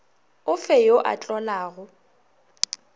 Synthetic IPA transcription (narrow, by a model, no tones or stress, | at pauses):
ʊfɛjoʔa̰t͡ɬʼɔlaːɣʊ